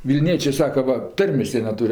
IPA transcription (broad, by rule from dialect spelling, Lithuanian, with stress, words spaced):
ʋʲɪlʲˈnʲiɛt͡ʃʲeː ˈsɑːkɐ ˈʋɐ ˈtɐrʲmʲeːs ˈjiɛ nʲɛˈtuːrʲ